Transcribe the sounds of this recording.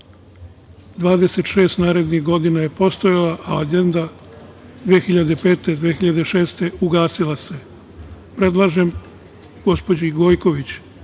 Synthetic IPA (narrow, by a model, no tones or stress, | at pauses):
d̪ʋaːd̪e̞se̞t̪ʃe̞ːst̪naːɾe̞d̪nixɡo̞d̪inaje̞po̞st̪ojalaʔaaɡe̞nd̪a | d̪ʋexiʎad̪epe̞ːt̪e̞d̪ʋeːxiʎad̪eʃe̞ːst̪e̞uɡaːsilase̞ | pɾe̞d̪lˠaʒe̞m | ɡ̥o̞spo̞d͡ʑiɡo̞ːjko̞ʋit͡ɕ